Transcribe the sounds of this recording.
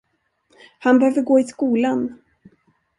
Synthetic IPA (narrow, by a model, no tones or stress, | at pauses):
hanbɛhøːvəɾɡoːɪskuːlan